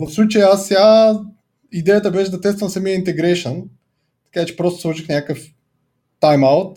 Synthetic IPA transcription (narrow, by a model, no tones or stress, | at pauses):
vɐfslˠut͡ʃɐjɛasːʲa | id̪ɛjət̪əbɛʃɛd̪ɐt̪ɛst̪vɐmsɐmiəint̪ɛɡɾɛʃən | t̪ɐ̥kat͡ʃɛ̥pɾɔst̪ʊ̥slˠuʃixnʲakəf | t̪ajmaʊt̪̚